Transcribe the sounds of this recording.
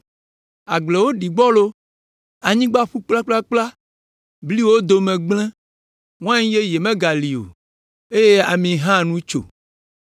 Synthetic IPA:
a˨ɡ͡ble˨wo˦ɖi˨ɡ͡bɔ˦lo˦ | a˨ɲĩ˦ɡ͡ba˦ɸu˦k͡pla˦k͡pla˦k͡pla˦ | bli˦wo˦d̪o˨mɛ̃˨ɡ͡blɛ̃˦ | ŋ̃˦ã˦ɲĩ˦je˦je˨mɛ̃˦ɡa˨li˨o̰˨ | e˦je˦a˨mĩ˨ɦã˦nũ˦t͡ʃo̰˨

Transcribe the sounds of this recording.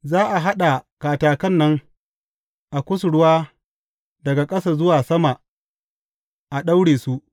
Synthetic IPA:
zaː˦ʔa˨ɦa˦ɗa˨kaː˨taː˨kɐ˦˨nːɐ˦ŋ | ʔa˨kʷʊ˦sʊ˨ɽʊ˦waː˦ | dɐ˨ɡa˨kʼɐ˦saː˨zʊ˦waː˨sɐ˦ma˨ | ʔa˨ɗa˦wɽeː˨su˦ʔ

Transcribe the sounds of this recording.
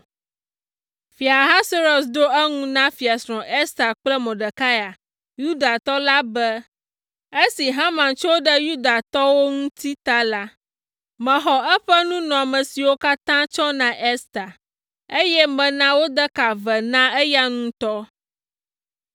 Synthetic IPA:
fi˨a˨ɦa˦so˦ɾo˨sd̪o˦e˦ŋũ˦nã˦fi˨a˨sɾɔ̃˨ʔe˦st̪a˨k͡plɛ˦mɔ̃˨ɖə˨ka˦ja˨ | ju˦d̪a˨t̪ɔ˦la˦bɛ˦ | e˦si˨ɦã˦mã˨nt͡ʃɔ˦ɖə˦ju˦d̪a˨t̪ɔ˦wo˦ŋũ˦t̪i˦t̪a˦la˦ | mɛ̃˨ɦɔ˨ʔɛ˦ɸɛ˦nũ˦nɔ̃˨a˨mɛ̃˨si˨wo˦ka˦t̪ã˦t͡ʃɔ˦nã˨ʔe˦st̪a˨ | e˦jɛ˦mɛ̃˨nã˦wo˦d̪ə˦ka˨vɛ˨nã˦e˦ja˦ŋũ˦t̪ɔ˦

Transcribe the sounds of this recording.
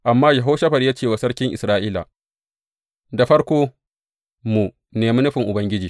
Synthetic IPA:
ʔa˨mːaː˦ja˨ɦoː˦ʃɐ˦ɸɐ˨ɽjaː˦t͡ʃeː˦˨wa˨sɐ˦ɽkʲɪ˦ŋʔɪ˨sɾaː˦ʔiː˦la̰˨ | da˨ɸɐ˦ɽkʷoː˦ | mu˨ | neː˨mi˦nʊ˦ɸɪ˨ŋʔʊ˨bɐ˦ŋɡʲɪ˦d͡ʒiː˨

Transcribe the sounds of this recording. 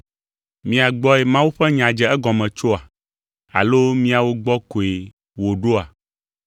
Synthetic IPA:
mĩ˦a˨ɡ͡bɔ˦ɛ˨mã˦wu˦ɸɛ˦ɲã˨d͡ʒɛ˨ɛ˦ɡɔ˨mɛ̃˨t͡ʃo˦a˨ | a̰˨lo˦mĩ˦a˨wo˦ɡ͡bɔ˦ko˨e˨ | wo˨ɖo˦a˨

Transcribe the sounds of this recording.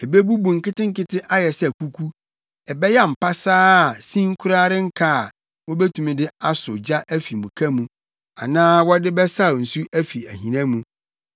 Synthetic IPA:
e˨be˦bu˦bũ˨ŋ̩˨kɪ˦tɪ̃˦ŋ̩˦kɪ˦tʰɪ˦ʔa˦jɛ˨sɛ˨ku˦kʰu˦ | ɛ˨bɛ˦jɛ˦m̩˨pa˦saː˦˨sĩ˦ŋ̩˦kʰʊ˦ɾa˦ɾɪ˦ŋ̩˦kʰa˦˨ | wɔ̃˦bɛ˦tʰũ˨mĩ˦dɪ˦a˦sʊ˨d͡ʑa˦ʔæ˦fi˨mũ˨kʰã˦mũ˨ | a̰˨nãː˦wɔ˦dɪ˦bɛ˦sa˦˨n̩˨su˦æ˦fi˨æ˨ɦĩ˨nã˦mũ˨

